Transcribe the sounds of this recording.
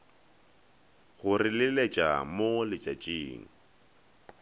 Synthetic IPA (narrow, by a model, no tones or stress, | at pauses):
ɣʊrɪlɪlet͡ʃʼa̰molɪt͡ʃʼat͡ʃʼiːŋ̩